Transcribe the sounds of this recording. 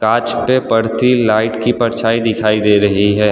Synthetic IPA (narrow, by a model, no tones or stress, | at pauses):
kaːt͡ʃpepɐɽ̤t̪ilaːɪʈkipɐɾt͡ʃʰaːid̪ɪkʰaːid̪eːɾɐɦiɦɛː